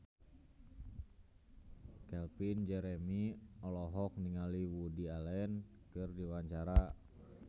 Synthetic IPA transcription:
kɛlpind͡ʒɛɾɛmiɔlɔɦɔk̚niŋaliwudialɛn | kɨrdiwaɲt͡ʃaɾa

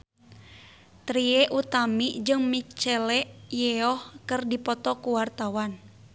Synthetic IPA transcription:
t̪ɾieʔut̪amiʔd͡ʒɨŋmit͡ʃɛlɛʔjɛɔhkɨrdipɔt̪ɔkuwart̪awan

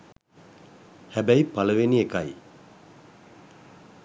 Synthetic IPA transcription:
hæbæjpaləʋeniekaj

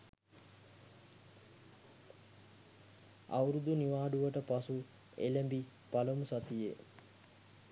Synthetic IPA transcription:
a̰wɾud̪uniʋaːɖuʋəʈəpasu | ḛlæmbi | paləmusat̪ije

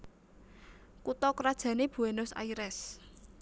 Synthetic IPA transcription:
kut̪ɔkɾad̥ʒ̥ä̤neb̥ṳenʊsa̰iɾɛs

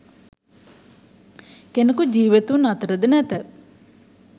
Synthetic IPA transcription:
kenəkud͡ʒiːʋit̪unat̪əɾəd̪ənɛt̪ə

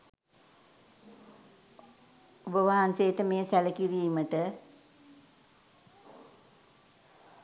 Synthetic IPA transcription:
ubəʋaɦansejːʈəmeːsæləkiɾiːməʈə

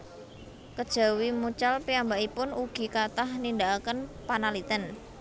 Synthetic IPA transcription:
kəd̥ʒ̥a̤wimut͡ʃalpiambaipʊnuɡ̥i̤kat̪ahnind̪aakənpanalit̪ən

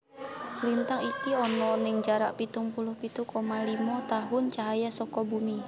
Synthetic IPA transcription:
lint̪aŋikiɔnɔnɪŋd͡ʒaɾaʔpit̪uŋpulʊhpit̪ukomalimɔt̪aɦʊnt͡ʃaɦajasɔkɔbumi

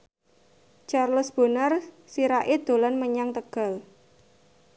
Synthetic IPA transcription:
t͡ʃarləsb̥ə̤nər | siɾaʔed̪̥o̤lanməɲaŋt̪əɡ̥a̤l

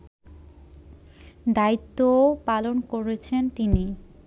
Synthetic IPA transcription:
d̪ait̪ːopalonkoɾet͡ɕʰent̪ini

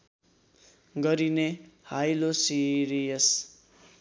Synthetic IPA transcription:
ɡʌɾinehajlosiɾijʌs

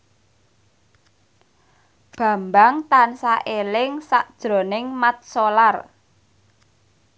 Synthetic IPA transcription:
b̥ä̤mbaŋt̪ansaʔelɪŋsaʔd̥ʒ̥ɾo̤nɪŋmat̪̚solar

